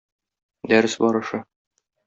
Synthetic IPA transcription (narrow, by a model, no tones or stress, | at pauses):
d̪æɾɘsbɒɾɤ̆ʃɤ